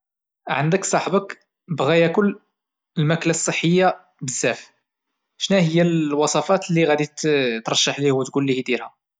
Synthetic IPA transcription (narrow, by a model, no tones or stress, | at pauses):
ʕənd̪əksˤɑħbək | bɣæjækʊlː | əlmæklasˤːəħːəjːa | bəzːæf | ʃnæhəjːælwɑsˤɑfɑt̪liɣæd̪it̪t̪ɾˤɑʃːɑħlihwət̪ɡulːihid̪iɾhæ